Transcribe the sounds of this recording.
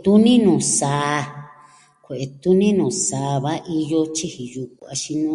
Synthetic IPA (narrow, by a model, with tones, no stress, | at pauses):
t̪u˦nĩ˦nũː˨saː˨˧˨ | kʷe˨ʔe˧t̪u˦nĩ˦nũː˨sa˨˧βa˦ʔi˧jo˧t͡ʃi˦hi˨ju˧ku˨a˧ʃi˧nũ˦